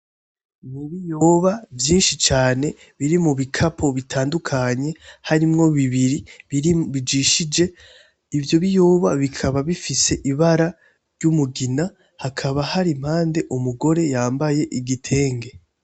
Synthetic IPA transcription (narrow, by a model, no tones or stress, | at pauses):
muβijoβavjiːnʃit͡ʃaːne̞ | βiɾimuβikʰapʰo̞βitʰaːndukʰaɲe̞haɾimŋo̞βiβiɾi | βid͡ʒiʃid͡ʒe̞ | ivjo̞βijoβaβikʰaβaβifise̞ʔiβaɾa | ɾɟumuɡina | hakʰaβahaɾim̥haːnde̞ʔumuɡo̞ɾe̞jaːmbaje̞ʔiɡitʰe̞ːŋɡe̞